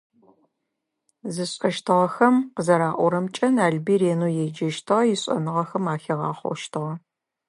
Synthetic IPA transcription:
zɨɕʼɐʃtʰɨʁɐxɐmqəzɐɾaːʔʷɔɾɐmt͡ʃʼɐnaːɮbiːɾeːnuːjɛd͡ʒɐʃtʰɨʁɐjɪɕʼɐ̰nɨʁɐxɐmaːxeʁɑ̰ːχʷɔ̰ʃtʰɨʁɐ

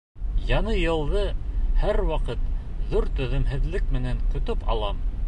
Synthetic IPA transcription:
jɑnɤjɤ̆lˠd̪ɤhæɾwɑqɤt̪ðuɾt̪ɵ̆ðɵ̆mɦɘ̆ðlɘk̚mɘ̆næŋkɵ̆t̪ɵpɑ̰lˠɑm

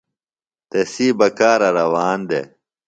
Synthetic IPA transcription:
t̪esiːbɐkaːɾɐɾɐwaːnd̪ḛ

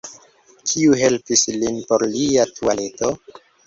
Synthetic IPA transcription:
kʰiuɦe̞lpislinpo̞ɾliatʰuale̞to

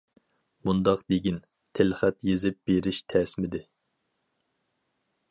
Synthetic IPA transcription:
mund̪ɑqd̪eɡʲin | t̪ʰɪlχɛt̪jezɪp̚b̥eɾɪʃt̪ʰɛsmɪd̪ɪ

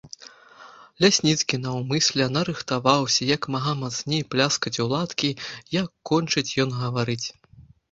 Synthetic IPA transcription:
lʲasʲnʲit̪skʲinɐwmɨsʲlʲɛnɐɾɨxt̪avawsʲɐjɐkmaɦamat̪snʲejplʲaskɐt͡sʲulˠat̪kʲijɐkːɔnʲt͡ʂɨt͡sʲjɔnɣɐvaɾɨt͡sʲ

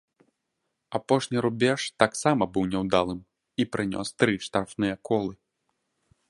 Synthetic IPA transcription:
apɔʂnʲiɾubʲɛʂt̪aksamɐbɨwnʲɛwd̪alˠɨm | ipɾɨnʲɔ̰st̪ɾɨʂt̪arfnɨjɐkɔlˠɨ

